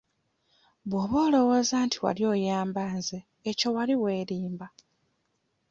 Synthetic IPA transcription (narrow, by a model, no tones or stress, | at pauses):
βwoβo̞ːlo̞wo̞ːzaːntʰiwa̰ljo̞ːjaːmbaːnzeː | co̞waliwe̞ːɾiːmba